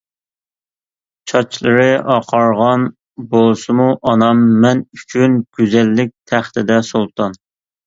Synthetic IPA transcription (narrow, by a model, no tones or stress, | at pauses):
t͡ʃʰɑt͡ʃʰlˠɨɾɨʔɑqʰɑɾʁɑn | bolˠsɨmuʔɑnɑmːɛnyt͡ʃʰynɡ̥ʲyzɛlːɪk̚ʲt̪ʰæχt̪ʰɪd̪ɛsolˠt̪ʰɑn